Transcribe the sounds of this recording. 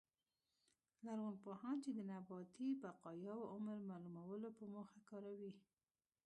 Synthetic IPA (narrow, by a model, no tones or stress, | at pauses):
laɾɣonpohɑnt͡ʃed̪ənabɑt̪ibaqɑjɑwoʔʊməɾmɑlumawəlopəmoxakɑɾawi